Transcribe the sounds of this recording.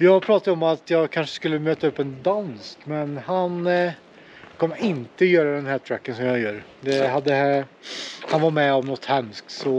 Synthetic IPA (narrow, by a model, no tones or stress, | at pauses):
jɑːɡpʰɾɑːt̪ad̪ɔmat̪jɑːɡkʰanʂə̥skɵlːəmøːt̪ːaɵpːɛnd̪anskmɛnhan | kʰɔmːəɾɪnt̪əɔjœːɾad̪ɛnɦæːʈʰɾækːənsɔmjɑjœːɾd̪ɛɦad̪ːə | hanvaɾmɛɔmnɔt̪ːhɛmskt̪sɔ